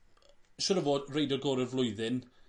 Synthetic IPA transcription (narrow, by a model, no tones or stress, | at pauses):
ʃʊɾəvoːdrejdɔɡɔːɾəvlˠʊɨðɪn